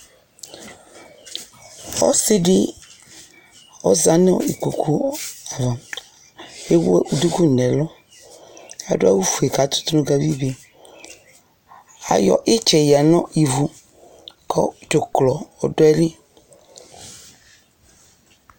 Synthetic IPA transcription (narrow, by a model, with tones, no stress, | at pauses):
ɔ̰˦si˦ɖɪ˦ | ɔ̰˦za˨nɔ˦˨i˨ku˨kʰu˦a˨va˨m | e˦we˦ʔu˨d̪u˦ku˦˨nɛ̃˨lɔ˦ | a˨dʊ˦a̰˦wu˦fu˨e˨ka˨t̪ʊ̥˦t̪nũ˦ɡa˨vi˦be˨ | a̰˨jɔ̰˨ʔɪ˦t͡ʃɛ˨ja˨nɔ̃˦i˨vu˨ | kʰɔ̰˦to˨klɔ˨ɔ˨dɔ˦ɛ˦li˦